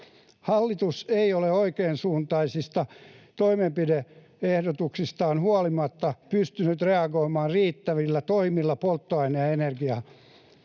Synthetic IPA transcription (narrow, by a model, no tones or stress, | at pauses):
hɑlːit̪useioleoikeːnsuːnt̪ɑisist̪ɑt̪oimempide | ehdot̪uksist̪ɑːnhuɑlimɑt̪ːɑpyst̪ynyt̪reɑɡoimɑːrriːt̪ːæʋilːæt̪oimilːɑpolt̪ːoɑineɑenerɡiɑ